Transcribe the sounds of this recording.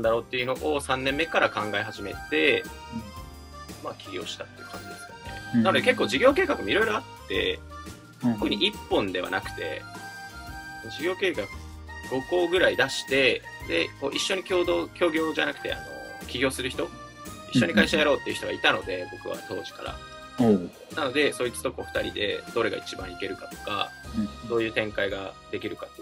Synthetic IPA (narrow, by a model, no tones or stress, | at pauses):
nd̪aɾo̞ːt̪ːe̞iɯ̟no̞ʔosãnːẽ̞mːe̞kaɾakãŋɡaeɦaʑime̞̰t̪e̞ | makʲiɡʲo̞̰ːɕi̥t̪at̪ːe̞iɯ̟kʰã̰ɲd͡ʑid̪e̞sɨjo̞̰ne̞̰nano̞d̪ekekːo̞ːʑiɡʲo̞ːke̞ːkakɯ̟moiɾo̞jɾo̞at̪ːe̞̰ | okɯ̟ɲ̟iʔipːõ̞nd̪e̞βa̰nakt̪e̞̰ | sond͡ʑiɡʲo̞ːke̞ːkakɯ̟ | ɡ̥o̞ko̞ːɡɯ̟ɾaid̪aɕi̥t̪e̞ | d̪e̞̰ko̞ːʔiɕːo̞ɲ̟ikʲo̞ːd̪okʲo̞ːɡʲo̞ːʑanakɯ̟̥t̪e̞̰a̰no̞̰kʲiɡʲo̞ːsɨɾɯ̟çi̥t̪o̞ | iɕːo̞ɲ̟ikaiɕajaɾo̞ːt̪ːe̞iɯ̟ç̥it̪oɡa̰it̪ano̞d̪e̞bo̞kɯ̟̰βa̰t̪o̞ːʑi̥ka̰ɾa̰ | nano̞d̪e̞soːit͡sɨ̥t̪o̞koɸɯ̟̥t̪aɾʲḭd̪e̞̰d̪o̞ɾe̞ɡa̰it͡ɕibãike̞ɾɯ̟kat̪o̞̥ka̰d̪̥o̞ːjɯ̟ːt̪ẽ̞ŋkaiɡad̪̥e̞kʲiɾɯ̟kat̪ːoe